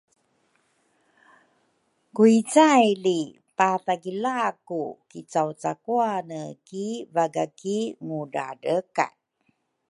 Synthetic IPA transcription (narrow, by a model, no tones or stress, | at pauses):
kuit͡sajli | pataɡilakukit͡sawt͡sakuanəkivaɡakiŋuda̰dəka̰n